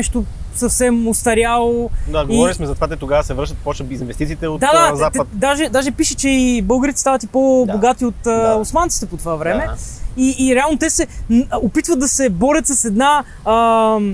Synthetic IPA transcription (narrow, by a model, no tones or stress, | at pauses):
ɛʃt̪o | sɐfsɛmost̪ɐɾjalˠod̪aɡoiɔɾilʲismɛzɐt̪ovat̪ɛt̪oɡavəsɛvɾɤʃt̪ət̪pɔt͡ʃnəizinvɛst̪it̪siːt̪ɛot̪d̪ad̪aaɛət̪d̪aʒɛd̪aʒɛpiʃət͡ʃɛibɤlˠɡəɾit̪ɛ̥st̪avət̪ipoboɡat̪iot̪əosmant̪i̥t̪ɛpot̪ovavɾɛmɛiːɾɛalˠnot̪ɛsɛopit̪vət̪d̪ɐsɛbɔɾʲət̪sɐsɛd̪na | ə